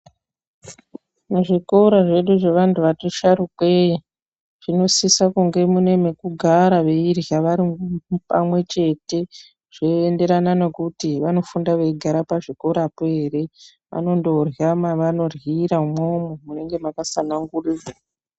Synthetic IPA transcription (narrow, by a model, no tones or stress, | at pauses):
muʐikoɾaʐe̞ɗuʐe̞ʋantʰuʋatoʃaɾukwei | ʐ̥ino̞sisakuŋɡe̞mune̞me̞kuɡʱaɾaʋe̞irjaʋaɾipa̰mwe̞t͡ʃe̞te̞ | ʐ̥eːnde̞ɾanane̞kutiʋano̞fundaʋeiɡʱaɾapaʐiko̞ɾapoeːɾe̞ | ʋa̰no̞ndo̞rjamaʋano̞rwiɾaumomomune̞ŋɡe̞makasanaŋɡurira